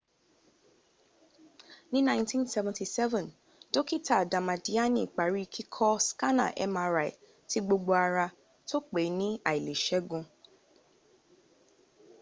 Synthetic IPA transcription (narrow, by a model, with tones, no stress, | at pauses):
nĩ˦nã˦ntʰĩ˦nsɛ˦vɛ̃˨nti˨sɛ˦vɛ̃˨n | do˦ki˦ta˨dã˨mã˨di˨˦a˦nĩ˦˨k͡pa˨ɾi˦kʰi˦kʰɔ˦ska˦nã̰˦˨ʔɛ̰˦mã˧ɾa˨ḭ˨ | ti˦ɡ͡bo˧ɡ͡bo˧a˧ɾa˧ | to˦k͡pe˨˦nĩ˦a̰˨i˨le˨ʃɛ˦ɡũ˧